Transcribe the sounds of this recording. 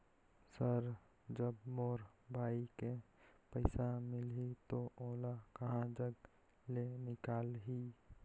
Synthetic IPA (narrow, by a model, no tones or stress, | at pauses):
səɾ | d͡ʒəbmoːɾbʱaːikepəɪsamɪlɦit̪oʔoːlakəɦãd͡ʒəɡ | lenɪkaːlɦi